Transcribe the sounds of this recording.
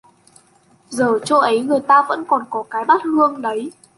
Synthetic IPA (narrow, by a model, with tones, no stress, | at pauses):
zəː˨˩t͡ɕo˧ʔə˨˦jŋɨ˨˩əjt̪aː˧və̰˧˥nkɔ˨˩nkɔ˨˦kaː˨˦jɓa˦˥t̚hɨ˧əŋɗə˨˦j